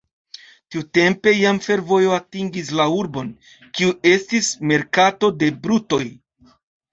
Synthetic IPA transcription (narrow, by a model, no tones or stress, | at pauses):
tiute̞mpe̞jamfe̞ɾvo̞joatiŋɡis̬lauɾbo̞n | kiue̞stisme̞ɾkato̞de̞bɾuto̞j